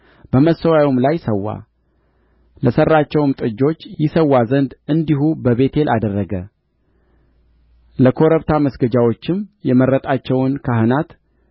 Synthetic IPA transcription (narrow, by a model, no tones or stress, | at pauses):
b̥əməsəwajomlajsəwːa̰ | ləsərːat͡ʃːɛwmt̪ʼɨd͡ʒːo̞t͡ʃːjɪsəwːazənd̪ɨnd̪iɦubəβe̞t̪ʰe̞lʔad̪ərːəɡə | ləkʰo̞ɾəβt̪ʰaməsɡəd͡ʒawo̞t͡ʃːɪmjɛməɾːət̪ʼat͡ʃːɛwnkʰahɨnat̪